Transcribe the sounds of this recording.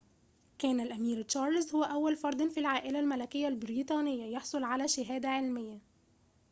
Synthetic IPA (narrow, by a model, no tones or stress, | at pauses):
kæːnælʔæmiːɾt͡ʃɑːɾˤlzhʊwæʔæwːælfɑɾˤd̪ˤɑnfilʕaːʔɪlælmælækɪjːælbɪɾiːt̪ˤɑːnɪjːajɑħsˤolʕalæːʃɪɦæːd̪æʕelmɪjːa